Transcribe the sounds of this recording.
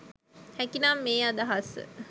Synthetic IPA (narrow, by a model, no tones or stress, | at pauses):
hɛkinamːeːad̪aɦasə̰